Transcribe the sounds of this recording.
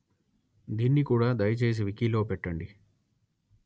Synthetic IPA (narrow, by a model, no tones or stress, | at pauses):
d̪iːnːikuːɽaːd̪ɐjɐt͡ʃe̞ːs̬iʋikiːlo̞ːpɛʈːɐɳɖi